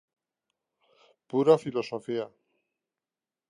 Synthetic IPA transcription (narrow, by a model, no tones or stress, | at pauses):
puɾafilo̞sofia